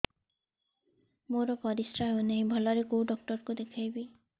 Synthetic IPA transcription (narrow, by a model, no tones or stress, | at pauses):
moɾɔpɔɾisɾaɦewneɦĩbʱɔlɔɾekowɖɔk̚ʈɔɾkud̪ekʰajbi